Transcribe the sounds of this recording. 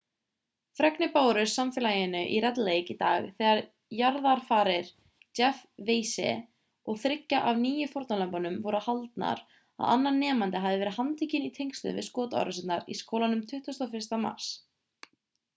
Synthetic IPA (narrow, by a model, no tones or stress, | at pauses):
fɾɛknʏpaːwɾʏsamfɛːlaːjɪnʏʔirɛt̪lejkit̪a̰ːɣθɛːɣaɾ | jaɾðaɾ̥faːɾɪɾ̥ | t͡ʃɛfveːjsɛ̰ | ɔɣθɾɪcːaʔavniːjɪfɔɾt̪nanlampɔnʏmvɔɾʏhalt̪na̰ɾ | a̰a̰nːaɾnɛːmant̪ɪɦavðɪvɛɾɪðhant̪ʰicɪnit̪ʰejŋkst̪ʏ̰vɪ̰skɔːt̪a̰wɾasɪnt̪naɾḭskoːwlanʏmt̪ʰʏht̪ast̪awfɪr̥st̪ama̰ɾ̥s